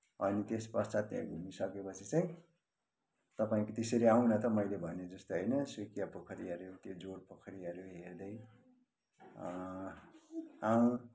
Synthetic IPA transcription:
ʌnit̪espʌt͡sat̪jã̰ɡʱumisʌkepʌt͡sʰit͡sʌ̃j̃ | t̪ʌpaĩkot̪eseɾiaw̃nʌt̪ʌmʌjlebʱʌned͡zʌst̪oɦʌjnʌsukijapʌkʰʌɾiʌɾjot̪jod͡zoɾpʌkʰʌɾiʌɾoɦeɾd̪ʌj | aw̃

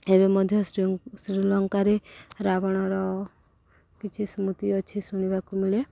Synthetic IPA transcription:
ebemɔd̪ʱjɔsɾilɔŋkaɾeɾabɔɽ̃ɔɾɔ | kit͡ʃʰismut̪iɔt͡ʃʰisuɽ̃ibakumile

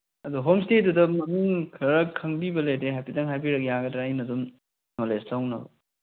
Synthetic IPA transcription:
ɐduɦomstedudɐmɐnuŋkʰɐɾɐkʰːɐŋbibɐlejdeɦajpidɐŋɦajpiɾɐk̚jaɡɐdɾajnɐdum | nolestawnɐbɐ

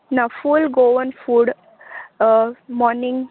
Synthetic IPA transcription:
nafulɡoʋənfuːɖ | mɔɾnɪ̃ŋɡ

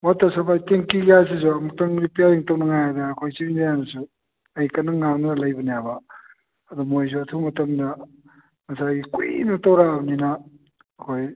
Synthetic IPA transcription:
watːɐsɐpʰajteŋkiɡajs̬izumɐtɐŋɾipijaɾiŋtownɐŋajadɐːkʰojt͡ʃiŋdijanɐsu | ɐjkɐnɐŋanɐlɐjbɐnijabɐ | ɐdumojz̬uɐtʰumɐtɐmdɐ | mɐsajɡikṵnɐtawɾabninɐː | kʰoj

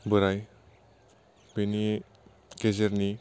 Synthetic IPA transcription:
bɯɾaj | beni | ɡezeɾni

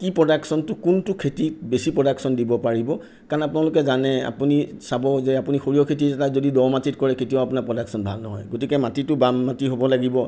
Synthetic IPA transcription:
kipɹɔdaksɔntʊkʊntʊkʰetibesipɹɔdaksɔndibɔpaɹibɔ | kaɹnapʊnalʊk̬ɛzanɛa̰punisabɔzeapunixoɹijɔkʰet̬iɛtazodidɔmatitkɔɹɛkʰetiɔʊapʊnapɹɔdaksɔnbʱa̰lnɔɦɔ̰jɡotikɛmatitʊbamːatiɦobɔlaɡibɔ

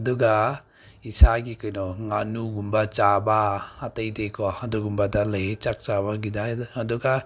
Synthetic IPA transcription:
dɔɡa | isaɡikɯjnɔŋanuɡumbat͡ʃabaatəjdekɔhadɔɡumbadaləjt͡ʃak̚t͡ʃabaɡidahadɔɡa

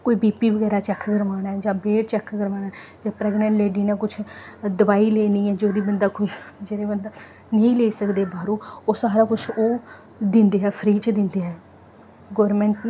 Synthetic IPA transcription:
koːiːbiːpiːʋəɡɛːɾaːt͡ʃɛːkʰːɡəɾʋaːnaɛd͡ʒãːbeːʈ̚t͡ʃɛːkɡəɾʋaːnaɛd͡ʒãːpɾɛːɡnə̃ɳʈleːɖiːnãːkʊt͡ʃʰd̪əʋaːiːleːniːɛːd͡ʒoːɾiːbənd̪aːkoːiːd͡ʒeːɾeːbənd̪aː | nĩːleːsəkd̪eːbaːɾũːoːsaːɾaːkʊt͡ʃʰoː | d̪ɪ̃nd̪eːɦɛːpʰɾiːt͡ʃd̪ɪnd̪eːɦɛː | ɡɔːɾmɛ̃ːɳʈn

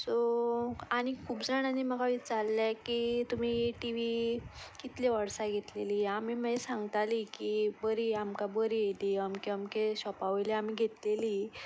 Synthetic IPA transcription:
so | aɽ̃ikʰuːpd͡zaɽ̃anim̤əɡaʋiːt͡salːakit̪um̤ieʈiʋikit̪leʋəɽsaɡʱet̪leliːamiməesãŋɡt̪alikibəɾiːamkabəɾied̪iːamkeamkeɕɔpaʋjleam̤iɡʱet̪leliː

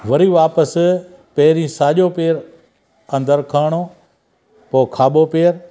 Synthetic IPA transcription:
ʋɐɾiʋaːpəs | peːɾĩːsaːʄoːpeːɾ | ɐ̃nd̪əɾkʰaːɽ̃oː | poːkʰaːɓopeːɾ

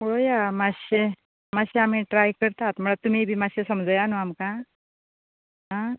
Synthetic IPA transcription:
ojamaɕe | maɕeamiːʈɾajkəɾt̪at̪m̤əɭat̪umiːbʱiːmaɕesəmd͡zəjanoamka | ɦã

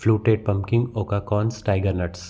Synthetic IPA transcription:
fluːʈeːɖ̚pɐ̃mkɪ̃ŋɡoːkaːkɔːnsʈaːɪɡəɾnɐʈs

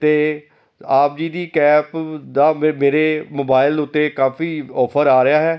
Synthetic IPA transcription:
t̪eː | aːp̚d͡ʒiːd̪iːkɛːpd̪aːmeːɾeːmoːbaːɪlʊt̪ːeːkaːfiːɔːpʰəɾaːɾɪjaːɦɛː

